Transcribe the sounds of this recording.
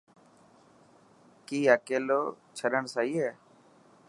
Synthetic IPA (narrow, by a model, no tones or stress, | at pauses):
kiːəːkeːloːt͡ʃʰəɾəɳsaːiːɦɛː